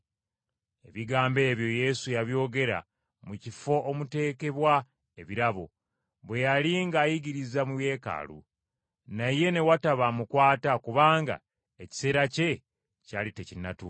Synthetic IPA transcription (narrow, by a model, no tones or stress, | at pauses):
e̞βiɡaːmbe̞ːβjo̞je̞sujaβjo̞ːɡe̞ɾa̰ | mucifo̞ʔomute̞ːke̞βwa | e̞βiɾaβo̞̰ | βwe̞jaliŋɡajiɡiɾizamuje̞ːka̰ːlṵ | naje̞ne̞wataβamukwaːtakuβaːŋɡa̰ | e̞ci̥se̞ːɾace̞ | caːlitecinːatu